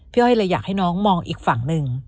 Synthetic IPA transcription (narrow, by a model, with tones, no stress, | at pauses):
pʰi˥˩ha˥˩jla˧jaː˨˩ha˥˩jnɔː˦˥ŋmɔː˧ŋʔḭː˨˩k̚fa˨˩˦ŋnɯ˧ŋ